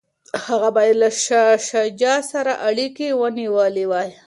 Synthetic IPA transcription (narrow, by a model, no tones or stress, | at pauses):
haɣabajelaʃaʃad͡ʒɑsaɾaʔaɽikewəniwəlewɑj